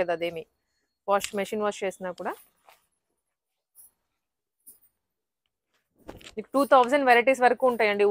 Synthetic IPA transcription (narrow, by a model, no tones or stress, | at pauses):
ed̪ɐd̪eːmi | ʋaːsʈmɐʃiːnʋaːst͡ʃeːsinaːkuːɽaː | niːkuʈuːt̪ʰɐwzɐnɖʋeɾiʈiːs̬ʋɐɾɐkuːuɳʈaːjɐɳɖi